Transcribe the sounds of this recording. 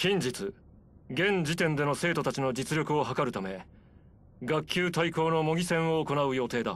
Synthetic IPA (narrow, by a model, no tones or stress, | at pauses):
kʲĩɲd͡ʑit͡sɨ | ɡẽ̞ɲd͡ʑit̪ẽ̞nd̪e̞no̞se̞ːt̪o̞t̪at͡ɕino̞d͡ʑit͡sɨɾʲo̞kɯ̟o̞ɦakaɾɯ̟t̪ame̞ | ɡakʰʲːjɨːt̪aiko̞ːno̞mo̞ɡʲisẽ̞ɰ̃o̞ːko̞naɯ̟jo̞ːt̪e̞ːd̪a̰